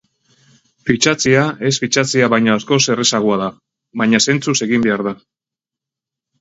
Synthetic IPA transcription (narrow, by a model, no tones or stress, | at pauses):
fit͡ʃat͡siae̞sfit͡ʃat͡siaβajɲaasko̞se̞re̞saɣ̞oaða | βajɲase̞nt͡suse̞ɣimbe̞aɾða